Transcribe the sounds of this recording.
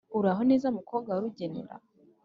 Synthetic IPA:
uɾaɦone̞ːzamukʰoːbɡwauɾuɟe̞nḛɾa̰

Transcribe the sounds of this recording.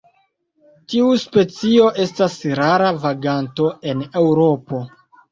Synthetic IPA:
tiuspe̞t͡sio̞ʔe̞stasɾaɾavaɡanto̞e̞ne̞wɾo̞po̞

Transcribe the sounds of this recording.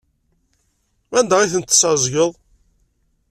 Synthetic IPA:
ænd̪æiθənt̪ːsɑzˤɡəðˤ

